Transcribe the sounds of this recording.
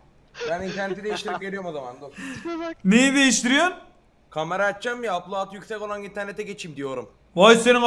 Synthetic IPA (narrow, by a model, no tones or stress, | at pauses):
bænint̪ʰæɾnet̪id̪ejiʃt̪ʰiɾipve̞ɾijo̞ɾmozamand̪o | mejid̪e̞jiʃt̪iɾijoɾ | kʰamɛɾat͡ʃːamːijaplˠuat̪ʰɯjykcʲsɛco̞lˠanint̪ʰæɾnet̪ɛɟe̞t͡ʃʰimd̪ijo̞ɾum | vaj̪senin